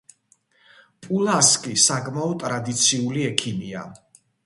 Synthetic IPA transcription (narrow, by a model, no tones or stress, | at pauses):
pʼulˠaskʼisakʼmaɔt̪ʼɾad̪it̪sʰiuliɛkʰimia̰